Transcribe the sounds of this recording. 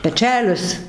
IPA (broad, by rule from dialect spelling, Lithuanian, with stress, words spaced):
pʲɛˈt͡ʃʲæːlʲɪs